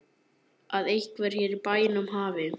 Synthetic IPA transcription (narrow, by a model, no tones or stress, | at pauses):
aðejhkvɛɾ̥çɛːɾipaːjɪnʏmɦaːvɪ